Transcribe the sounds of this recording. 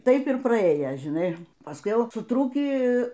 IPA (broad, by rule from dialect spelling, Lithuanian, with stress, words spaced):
ˈtɐɪp ɪr prɐˈeːjɛ ʒʲɪˈnɐɪ pɐˈskʊɪ ˈjɛʊ sʊˈtruːkʲiː